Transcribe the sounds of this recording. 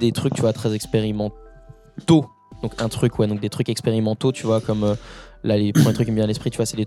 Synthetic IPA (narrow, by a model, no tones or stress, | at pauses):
d̪et̪χyk̚t̪yvwat̪χɛzɛkspeʁimɑ̃ | t̪o | d̪ɔ̃kɛ̃t̪χykwɛd̪ɔ̃k̚d̪et̪χykɛkspeʁimɑ̃t̪ot̪ʰyvwakɔmølalepχɑ̃let̪χykːbjɛ̃alɛspχit̪yvwasɛle